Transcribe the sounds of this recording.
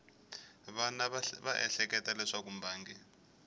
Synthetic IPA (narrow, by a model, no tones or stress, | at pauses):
βanaβaʔɛɬɛkɛtalɛʂakumbʱaːŋɡi